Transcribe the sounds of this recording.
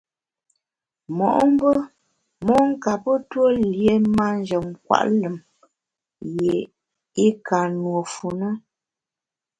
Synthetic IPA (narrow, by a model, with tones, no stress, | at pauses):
mɔ˨ʔɔ˦m˦bə˦ | mɔ˦ŋ˦ka˨pə˦two˦lje˨˦ma˦n˦d͡ʒə˨ŋ˨kwa̰˨ʔlə˨m | je˨ | i˦ka˨nwo˨fu˨nə˦